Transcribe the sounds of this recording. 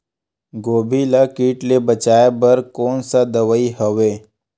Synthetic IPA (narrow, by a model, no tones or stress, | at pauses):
ɡoːbʱilakiːʈlebət͡ʃaːebɐɾkoːnsad̪əʋəiɦəʋeː